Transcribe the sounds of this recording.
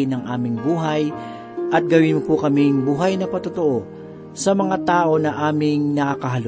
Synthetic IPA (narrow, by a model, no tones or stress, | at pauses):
ɪnɐŋʔaːmɪŋbuːɦɐj | ʔɐt̪̚ɡɐwɪnmopʊkɐmɪŋbuːɦɐjnɐpɐt̪ʊt̪oʔo | sɐmɐŋat̪aːʔo̞nɐʔaːmɪŋnɐkakɐɦɐl